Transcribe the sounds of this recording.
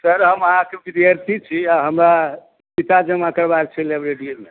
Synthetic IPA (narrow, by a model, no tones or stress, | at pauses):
səɾɦəməɦãkepiɾiaɾsit͡ʃʰiaɦəmɾa | pit̪ad͡ʒəmãkəɾbad̪̚t͡ʃʰɛlebɾeɖiolme